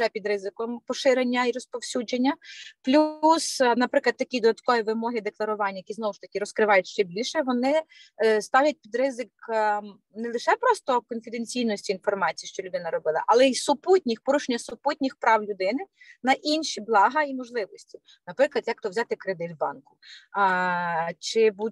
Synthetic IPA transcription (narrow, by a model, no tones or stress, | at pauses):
ʒɛpʲid̪ɾɪzɪkɔmpɔʃɪɾenʲːɐiɾɔspɔwsʲud͡ʒenʲːɐplʲusnɐpɾɪklˠɐd̪̚t̪ɐkʲid̪ɔd̪ɐt̪kɔʋʲiʋɪmɔɦɪd̪eklˠɐɾʊʋɑnʲːɐjɐkʲiznɔʋʊʃt̪ɐkʲiɾɔskɾɪʋɑjʊtʲʃt͡ʃɛbʲilʲʃɛʋɔnɪ | st̪ɑwʲjʲɐt̚ʲpʲid̪ɾɪzɪk | nɛlˠɪʃɛpɾɔst̪ɔkɔnfʲid̪enʲt͡sʲijnɔsʲtʲiːnfɔrmɑt͡sʲijiʃt͡ʃɔlʲʉʊd̪ɪnɐɾɔbɪlˠɐ̰ʔɐlˠɛisʊputʲnʲixpɔɾuʃenʲːɐsʊput̚ʲnʲixpɾɑwlʲʊd̪ɪnɪ | nɐʔinʃiblˠɑɦɐimɔʒlˠɪʋɔsʲtʲi̥ | nɐpɾɪklˠɐd̪jɐk̚t̪ɔwzʲɑt̪ɪkɾed̪ɪt̪wbɑ̰nkʊ̥ | t͡ʃɪbut̚ʲ